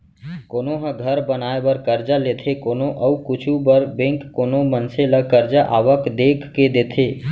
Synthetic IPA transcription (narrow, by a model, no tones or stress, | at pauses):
koːnoɦə̃ɡʱəɾbənaːebəɾkəɾd͡ʒalet̪ʰekoːnoʔəukʊt͡ʃʰubəɾbẽŋkːoːnomənseləkəɾd͡ʒaʔa̰ːʋəkd̪eːkʰːed̪eːt̪ʰeː